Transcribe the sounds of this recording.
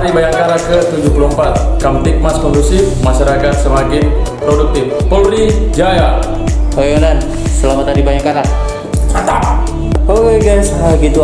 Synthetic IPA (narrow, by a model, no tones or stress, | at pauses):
ɾibajakaɾakət̪ud͡ʒupuloəmpat̪̚kamt̪ik̚maskɔnɡusifmaʃaɾakat̪səmakinpɾoɖuk̚t̪ifpəɾid͡ʒaja | tojonan | səlamat̪aɾibaɲakaɾa | t͡ʃat̪a | owɡajsɦaɡit̪u